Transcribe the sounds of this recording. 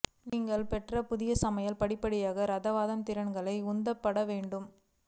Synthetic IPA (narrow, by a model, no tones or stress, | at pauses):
niːŋɡɐɭpɛʈrɐpʊðɪjɐsɐmɐjɐlpɐɽɪpːɐɽɪjaːɣɐɾɐðɐʋaːðɐmt̪ɪɾɐɳɡɐɭɐɪʊnd̪ɐpːɐɽɐʋeːɳɖɯm